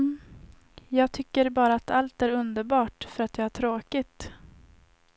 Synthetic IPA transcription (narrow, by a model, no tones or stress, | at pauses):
jɑːɡ̚t̪ʰʏkːəɾbɑːɾaːt̪ʰalt̪æɾɵnd̪əɾbɑːʈfœɾat̪̚d̪ɛæʈʰɾoːkɪt̪